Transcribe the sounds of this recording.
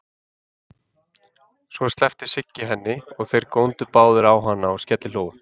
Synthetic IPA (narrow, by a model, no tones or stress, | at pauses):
svɔst̪lɛft̪ɪ̥sɪcːɪɦɛnːɪɔɣθejɾkownt̪ʏpaːwðʏɾawɦanːaɔɣscɛt̪lɪloːwvʏm